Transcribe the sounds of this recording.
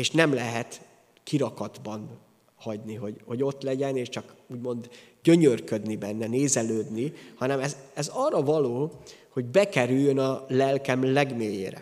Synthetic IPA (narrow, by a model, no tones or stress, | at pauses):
eːʃnɛmlɛɦɛt̪ | kiɾɒkɒd̪bɒn | hɒɟniɦo̞ɟho̞ɟo̞t̪lɛɟɛneːʃt͡ʃɒkuːɟmo̞nd̪ɟø̞ɲørkø̞d̪nibɛnːɛneːzɛløːd̪nihɒnɛmɛzɛzɒrɒvɒloːho̞ɟbɛkɛɾyjːønɒlɛlkɛmlɛɡmeːjḛːɾɛ̰